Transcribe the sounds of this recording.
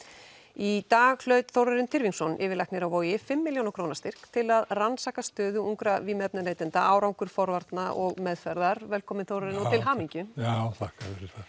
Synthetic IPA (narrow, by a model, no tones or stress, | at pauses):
it̪aːɣl̥œɥt̪θowɾaɾɪnt̪ʰɪɾviŋksɔnʔɪːvɪɾlajhknɪɾawvoːjɪfɪmːiljownawkʰɾownast̪ɪr̥kt̪ʰɪlaðransaːkast̪œːðʏuŋkɾavimɛp̚nʏleːjt̪ɪnt̪aaːwɾawŋkʏɾ̥fɔɾvaɾt̪naʔɔɣmɛðfɛɾðaɾvɛlkʰɔːmɪnθowɾaɾɪnɔɪlɦaːmiɲcʏjaθahkaθɛɾʏθḁ